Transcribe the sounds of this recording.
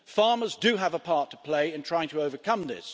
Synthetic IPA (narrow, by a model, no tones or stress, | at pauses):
fɑɹmə˞zdɨəvəpʰɑɹtʰə̥pʰl̥eɪɨ̃ntʰɹ̥aɪɪ̃ŋtʰəoʊvə˞kʰʌ̃mðɪ̰s